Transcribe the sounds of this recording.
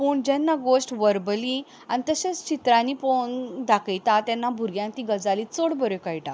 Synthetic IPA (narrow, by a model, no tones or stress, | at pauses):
puːɳd͡ʑɛnːaɡoɕʈʋəɾbəli | anit̪əɕest͡ɕit̪ɾãnipond̪akəjt̪at̪janːabʱuɾɡjãnt̪iɡəd͡zalit͡soɽbəɾokəjʈa